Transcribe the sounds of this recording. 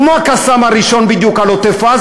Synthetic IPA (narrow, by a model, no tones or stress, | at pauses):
mwakasamaɾiʃɔnbidiukalɔt̪ɛfa